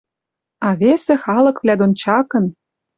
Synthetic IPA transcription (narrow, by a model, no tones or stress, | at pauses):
ɑβesĕxɑlɤ̆kvlʲæd̪ont͡ɕɑkɤ̆n